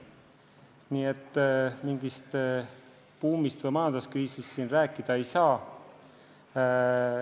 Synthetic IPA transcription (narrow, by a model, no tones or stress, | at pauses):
niːe̞t̪ːmiŋɡ̥ist̪ | puːmist̪vɤjmɑːnd̪̥ɑskriːsist̪siːnræːkːˑid̪̥ɑe̞jsɑː